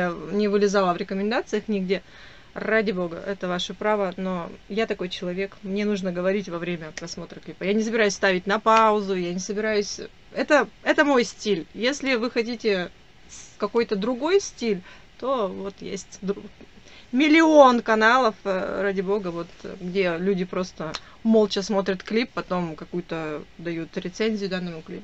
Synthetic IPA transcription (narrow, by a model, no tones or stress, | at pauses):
nʲɪvɨlʲɪzalˠəvɾʲɪkəmʲɪnd̪at̪sɨjəxnʲɪɡdʲe̞ | radʲɪbo̞ɡə̰ʔɛt̪əvaʂɨpɾavəno̞jat̪ɐko̞jt͡ɕɪlˠɐvʲe̞kmnʲe̞nuʐnəɡəvɐɾʲitʲvɐvɾʲemʲəɐpɾɐsmo̞t̪ɾəklʲipəjanʲɪsəbʲɪɾajʉsʲst̪avʲɪtʲnɐpaʊzʊjanʲɪsəbʲɪɾajʉsʲ | ɛt̪əɛt̪əmo̞jsʲtʲilʲjesʲlʲɪvɨxɐt̬ʲitʲɪ | fkɐko̞jt̪əd̪ɾʊɡo̞jsʲtʲilʲ | t̪o̞vo̞t̪jḛsʲtʲd̪ | mʲɪlʲɪo̞nkɐnalˠəfradʲɪbo̞ɡəvo̞t̪ɡdʲe̞lʲudʲɪpɾo̞st̪ə | molˠt͡ɕəsmo̞t̪ɾʲət̪klʲipːɐt̪o̞mkɐkujʊt̪əd̪ɐjut̪ɾʲɪt̪senʲzʲɪjʊd̪anːəmʊklʲipʊ